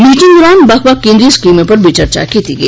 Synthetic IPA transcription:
niːʈɪ̃ŋɡɾaːnbɐxbakːẽːnd̪ɾiskiːmẽpɐɾbit͡ʃəɾt͡ʃa̰kiːt̪iɡḛ

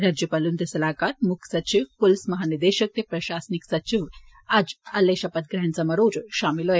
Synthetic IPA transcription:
ɾad͡ʒjəpalunt̪əsɐlakaɾmukʰsɐt͡ʃiʋkolsmɐɦanid̪eɕək̚t̪epɾɐɕasniksɐt͡ʃiʋ | ad͡ʒɐlːeɕɐpət̪̚ɡɾɦant͡samɐɾoːd͡zʃamilɦoj

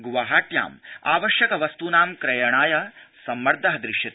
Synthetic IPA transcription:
ɡuʋaːɦaːʈ̪ja̰ːma̰ːʋɐʃjɐkɐʋɐst̪unaːmkɾɐjɐɳaːjɐsɐmːɐɾd̪ʱɐɦɐd̪ɾɪʃjit̪

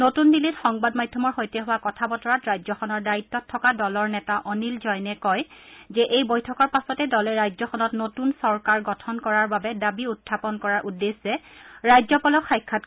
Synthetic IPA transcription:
notundilitxɔŋbadmajdʱːɔmɔɹxojtɛɦʊwakɔtʰabɔtɔɹatɹajzɔxɔnɔɹdaɹitːɔtʰːɔkadɔlɔɹnɛtaʔɔnilzɔjnɛkɔjzɛʔejbojtʰɔkɔɹpasɔtɛdɔlɛɹajzɔxʰɔnɔtnotunsɔɹkaɹɡɔtʰɔnkɔɹaɹbabɛdabiutʰːapɔnkɔɹaɹʔudːesːɛɹajzɔpɔlɔkʰːajkʰːat̚

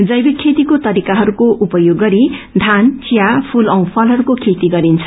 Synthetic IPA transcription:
d͡zʌjbikʰet̪ikot̪ʌɾikaɦʌɾukoʔupʌjoɡːʌɾid̪ʱant͡sijapʰulʌw̃pʰʌlɦʌɾukokʰet̪iɡʌɾint͡sʰʌ̥

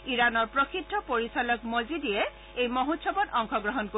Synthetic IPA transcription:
iɹanɔɹpɹokʰitʰːɔpoɹisalɔkmozidijɛ | ejmoɦotʃʰɔpɔtɔŋkʰɔɡɹɔɦɔnko

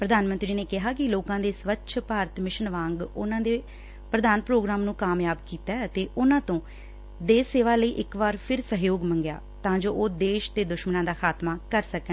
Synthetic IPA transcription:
pɾəd̪aːnmə̃nt̪ɾiːneːkɪɦaːkɪloːkãːd̪eːsʋətːʃʰpaːɾət̪mɪʃənʋãːŋɡʊ̰nãːd̪eː | pɾəd̪aːnpɾoːɡɾaːmnũːkaːmjaːbkiːt̪aːət̪eːʔʊnãːt̪õː | d̪eːseːʋaːləiːʔɪkʋaːɾpʰɪɾsəɦjoːɡmə̃ŋɡja̰ː | t̪ãːd͡ʒoːʔoːd̪eːʃt̪eːd̪ʊʃmənãːd̪aːkʰaːt̪maːkəɾsəkː

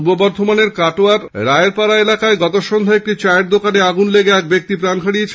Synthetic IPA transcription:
ubobɔɾd̪ʱomaneɾkaʈoaɾɾaeeɾpaɾaelakaeɡɔt̪oʃond̪ʱoek̚ʈit͡ɕaeɾd̪okaneaɡunleɡeɛk̚bek̚t̪ipɾankʰaɽiet͡ɕʰ

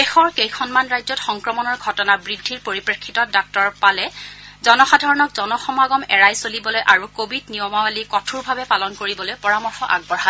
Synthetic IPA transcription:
bexɔɹkejkʰɔnmanɹajzɔtxɔŋkɹɔmɔnɔɹɡʱɔtɔnabɹidʱːiɹpoɹipɹekʰːitɔdɔk̚tɔɹpalɛzɔnɔxadʱaɹɔnɔkzɔnɔxɔmaɡɔmɛɹajsolibɔlojʔaɹukobidnijɔmawalikɔtʰuɹbʱabɛpalɔnkoɹibɔlojpɔɹamɔɹxɔʔa̰ɡ̚bɔɹɦa

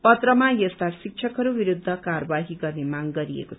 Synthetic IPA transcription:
pʌt̪rʌmajʌst̪asik̚t͡ʃʰʌkɦʌɾubiɾud̪ʱːʌkaɾʌbaɦiɡʌrnemaŋɡʌɾiḛkot͡sʰʌ

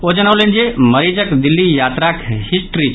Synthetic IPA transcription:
od͡ʒɐnaʋlend͡ʒemɐɾid͡ʒəkd̪ɪlːijaːt̪ɾakʰhisʈɾi

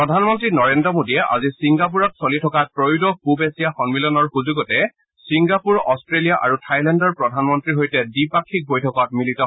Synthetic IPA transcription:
pɹɔdʱanmɔntɹinɔɹendɔmodiɛʔa̰zisiŋɡap̬uɹɔtsolitʰɔkapɹojudɔpubesiaxɔnmilɔnɔɹxuzuɡɔtɛ | siŋɡapuɹɔstɹelijaʔa̰ɹutʰajlɛndɔɹpɹɔdʱanmɔntɹiɦojtɛdipakʰːik̚bojtʰɔkɔt̚militɔ

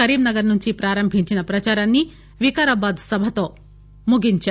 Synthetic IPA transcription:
ɐɾiːmnɐɡɐɾnuɲt͡ʃipɾaːɾɐmbʱiɲt͡ʃinɐpɾɐt͡ʃaːɾanːi | ʋikaɾɐbaːd̪sɐbʱɐt̪o̞ː | muɡiɲt͡ʃː

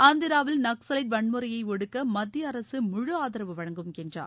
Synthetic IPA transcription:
aːnd̪ɪɾaːʋɪlnɐksɐlɐɪʈ̚ʋɐɳmɯɾɐjɐɪɔɽɯkːɐmɐd̪ːjɐɐɾɐsɯmʊɻɯaːðɪɾɐʋɯʋɐɻɐŋɡɯmkɛndra̰ː

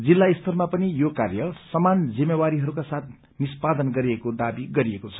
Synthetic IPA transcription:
d͡zilːaist̪ʰʌrmapʌnijokarjʌsʌmand͡zimːewaɾiɦʌɾukasat̪ʰ | nispad̪ʌnɡʌɾiekod̪abiɡʌɾiekot͡sʰʌ̥

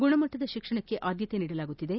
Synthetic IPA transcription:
ɡuɳɐmɐʈːɐd̪ɐʃikʂɐɳɐkːe̞ʔʔaːd̪jɐt̪eniːɽɐlaːɡut̪ːid̪e̞

